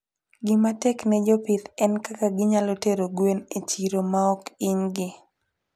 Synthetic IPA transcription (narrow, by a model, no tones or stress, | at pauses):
ɡɪmatɛknɛd͡ʒɔpitɛnkakaɡɪɲaloteɾoɡwenet͡ʃiɾomaɔkɪɲɡɪ